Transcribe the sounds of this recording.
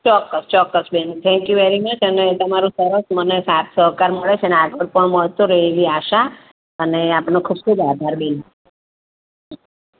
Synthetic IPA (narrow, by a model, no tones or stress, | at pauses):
t͡ʃɔkːəst͡ʃɔkːəsbent̪ʰɛ̃ŋkjuʋeɾimət͡ʃʰənet̪əmaɾũsəɾəsmənesat̪ʰsəɦkaɾməɭet͡ʃʰeneaɡəɭpəɳməɭt̪oɾəɦeʋiaʃa | əneapɳokʰub̚kʰubad̪ʱaɾbin | ɦ